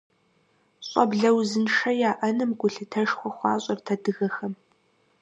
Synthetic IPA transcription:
ɕʷʼɔbɮɐwzɨnʂɐjaːʔɐnɨmɡʷʊɬɨtʰɐʂxʷɔχʷɑːɕʼɐrtʰɐdɨɣɐxɐm

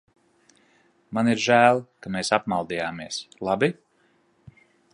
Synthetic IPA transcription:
maniɾʒæːlˠkameːsapmalˠd̪iːjaːmiɛslˠabi

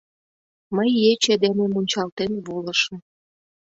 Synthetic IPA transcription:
məjːet͡ɕed̪enemunʲt͡ɕɑlt̪enβolə̆ʃə̆m

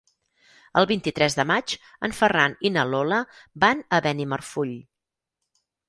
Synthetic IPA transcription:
əlˠβint̪it̪ɾɛzðəmat͡ʃ | ə̰ɱfəraninəloləbanəβɛnimərfuʎ

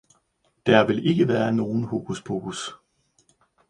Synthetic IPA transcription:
d̥æɐʋe̝le̝ɡ̥əʋæːɐno̝ːn̩ho̝ːɡ̥ʰusb̥ʰoːɡ̥us

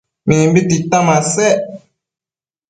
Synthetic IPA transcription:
minimbititamasɛ

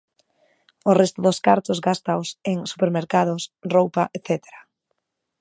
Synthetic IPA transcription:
ʊrest̪ʊðʊskaɾt̪ʊzɡast̪aoseŋsu̥peɾmeɾkaðʊsrowpaʔeθɛt̪e̥ɾa

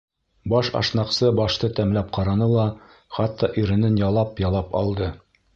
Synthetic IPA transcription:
bɑʃɑ̰ʃnɑqsɤbɑʃt̪ɤt̪æmlæp̚qɑɾɑnɤlˠɑ | χɑt̪ːɑʔiɾɘ̆nɘnjɑlˠɑpjɑlˠɑpɒ̰lˠd̪ɤ

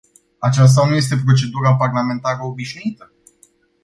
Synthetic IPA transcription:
at͡ʃas̬t̪anuje̞s̬t̪e̞pɾo̞t͡ʃe̞d̪uɾaparlame̞nt̪aɾəobiʃnuit̪ə

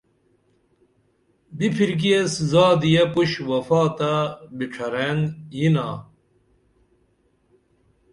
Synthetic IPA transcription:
bipʰiɾɡijeszaːd̪ijɐpuɕwɐfaːt̪abiʈ͡ʂʰɐɾenjina̰ː

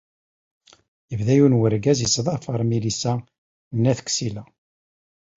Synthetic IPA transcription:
jəvðæjunwəɾɡæzisðˤɑfəɾˤmilisæ | nːæθə̥ksilæ

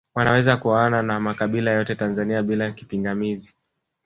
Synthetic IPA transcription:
wanawɛzakuananamakaɓilajɔtɛtanzaniaɓilaki̥piŋɡamizi

